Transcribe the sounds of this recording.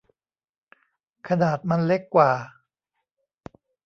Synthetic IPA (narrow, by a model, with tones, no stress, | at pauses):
kʰa˧naː˨˩t̪̚ma˧nle˦˥kːwaː˨˩